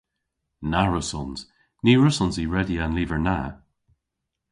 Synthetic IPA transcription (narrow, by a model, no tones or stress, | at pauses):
naɹʊsɔnz̥ | niːɹʊsɔnziɹɛdianliːvə˞na